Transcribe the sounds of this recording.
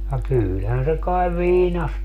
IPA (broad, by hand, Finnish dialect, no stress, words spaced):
jɑ kyːlhæn se kɑeʋ ʋiːnɑ